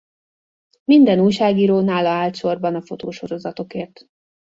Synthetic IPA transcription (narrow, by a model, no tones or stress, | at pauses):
mind̪ɛnuːjʃaːɡiːɾoːnaːlːɒaːlt̪ʃo̞rbɒnɒfo̞t̪oːʃo̞ɾo̞zɒt̪o̞keːrt̪